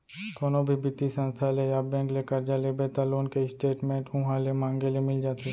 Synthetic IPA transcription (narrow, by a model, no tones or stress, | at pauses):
d̪oːnobʱibɪt̪isə̃nst̪ʰalejabɛ̃ːŋklekəɾd͡ʒalebet̪aloːnkeɪsʈeːʈmẽːʈʊɦãlemãːŋɡelemɪld͡ʒaːt̪e